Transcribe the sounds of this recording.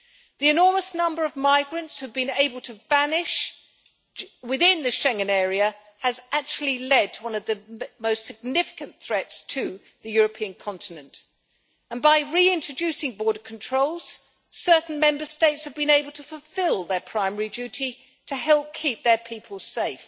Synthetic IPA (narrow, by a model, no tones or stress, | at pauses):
ðiɨnɔɹməsnʌ̃mbə˞ʌvmaɪɡɹɨ̃ntshɨvbɨ̃neɪbəl̩ˠtʰɨvænɪʃ | wɨðɪ̃nðɨʃɛ̃ŋɨ̃nɛɹiɨ | ɨzæk̚t͡ʃul̩ˠilɛd̚tʰəwʌ̃nʌvðɨmoʊstsɨɡ̚nɪfɨ̥kɨ̃nθɹɛtstʰɨ | ðɨjʊɹɨpʰiɨ̃nkʰɑ̃ntɨnɨ̃nt | ə̃nbaɪɹiɪ̃nt͡ʃɹ̥ɨd͡ʒʉsɪ̃ŋbɔɹɾə˞kʰn̩tʰɹ̥oʊlˠz̥ | sɜ˞ʔn̩mɛ̃mbə˞steɪtshɨvbɨ̃neɪbl̩ˠtʰəfl̩ˠfɪlˠðə˞pʰɹ̥aɪmɛɹid͡ʒʉɾi | ɾɨɦɛlˠp̚kʰip̚ðə˞pʰipʰəl̩ˠseɪf